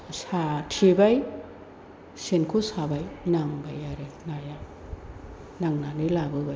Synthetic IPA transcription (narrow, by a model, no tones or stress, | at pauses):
satʰebaj | senkʰosabajnaŋbajaɾenaja | naŋnanɯlabɯba